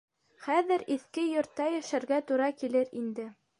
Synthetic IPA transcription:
χæðɘɾiθkɘjŏɾt̪ːɑjæʃæɾɡæt̪uɾɑkilɘɾind̪ɘ

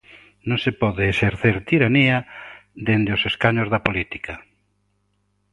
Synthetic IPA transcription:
nõŋsepɔðeːseɾθeɾt̪iɾaniad̪end̪eoseskaɲozðapolit̪i̥ka

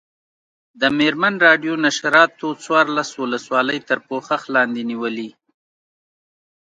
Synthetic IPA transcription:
d̪əmeɾmanɾɑɖjonaʃaɾɑt̪ot͡swɑɾlaswʊləswɑləjt̪əɾpoxaxlɑnd̪eniwəli

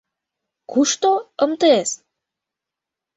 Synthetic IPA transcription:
kuʃt̪oəmt̪ɤes

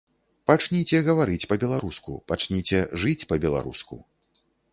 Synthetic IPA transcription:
pat͡ʂnʲit͡sʲɛɣɐvaɾɨt͡sʲpɐbʲɛlˠaɾuskṵpat͡ʂnʲit͡sʲɛʐɨt͡sʲpɐbʲɛlˠa̰ɾṵskṵ

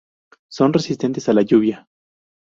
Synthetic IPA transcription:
so̞nresist̪e̞nt̪e̞salaʝuβja

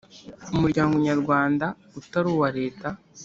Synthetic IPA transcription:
umuɾɟaːŋɡoɲaɾɡwaːnda | utaɾuːwaɾe̞ːta

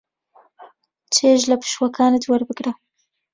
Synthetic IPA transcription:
t͡ʃeʒlapə̥ʃwakʰɑnad̪waɾbəɡɾa

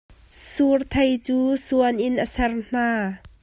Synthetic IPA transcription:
surt̪ʰɐjt͡suːsuənʔɪnʔəsɛrn̥aː

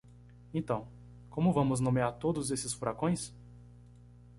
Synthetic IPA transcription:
ẽnt̪ɐ̃w̃ | kõmʊvɐ̃mʊznõmeaɾt̪od̪ʊzesɪsfuɾakõj̃s

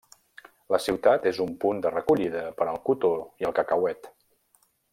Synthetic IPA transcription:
ləsiwt̪at̪ezumpund̪ərəkuʎiðəpəɾəlˠkut̪oiəlˠkəkəwɛt̪

